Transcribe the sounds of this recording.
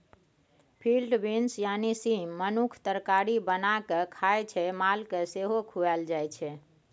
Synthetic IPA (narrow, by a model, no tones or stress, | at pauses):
pʰilɖbinsjanisiːənukʰt̪əɾkaɾibənakekʰajt͡ʃʰɛmalkeseɦokʰuɛld͡ʒajt͡ʃʰɛ